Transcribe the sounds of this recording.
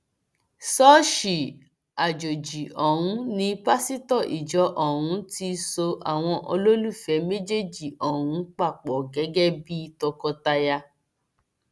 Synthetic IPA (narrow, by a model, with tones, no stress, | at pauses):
sɔː˦ʃi˨ | a˨d͡ʒo˨d͡ʒi˨ɔ˨ɦũ˨˦nĩ˧pa˦si˦tɔ˦˨ʔi˨d͡ʒɔ˨˦ʔɔ˨ɾũ˨˦ti˧so˧a̰˨w̃ɔ̃˧ʔo˧lo˦lu˦˨fɛ˨˦me˦d͡ʒe˦d͡ʒi˨ʔɔ˨hũ˨˦k͡pa˦˨k͡pɔ˨ɡɛ˨˦ɡɛ˦bi˦tɔ˧kɔ˧ta˧ja˧